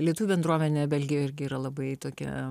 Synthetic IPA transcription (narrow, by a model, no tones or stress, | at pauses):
lʲiɛt̪uʋʲubɛnd̪ɾuɔmʲɛnʲeːbʲɛlʲɡʲɪjoːjɪɾʲɡʲɪiːɾɐlˠɐbɐɪt̪oːkʲɛ̰